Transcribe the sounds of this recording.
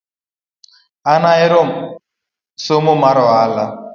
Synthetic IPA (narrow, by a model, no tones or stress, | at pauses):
anaɪɾom̩ | somʊmaɾɔala